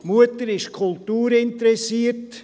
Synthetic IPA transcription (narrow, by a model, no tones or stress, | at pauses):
muətəɾɪʃkʰʊltuːɾɪntəɾɛsiət